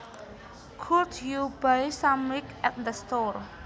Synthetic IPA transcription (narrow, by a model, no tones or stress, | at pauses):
kʰut̪jubajsãmwikʔɛt̪̚d̪əst̪ɔr